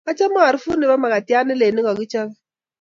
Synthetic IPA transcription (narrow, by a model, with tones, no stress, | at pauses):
a˦t͡ʃa˦ma˦a˨ɾi˦fu˦ni˨ba˦ma˨ka˨ti˦a˦ni˦le˨ni˦ɣɔ˨ki˦t͡ʃɔ˦ɣ